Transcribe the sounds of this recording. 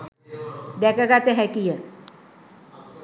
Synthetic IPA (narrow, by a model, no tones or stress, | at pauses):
d̪ɛkaɡat̪eɦɛkijə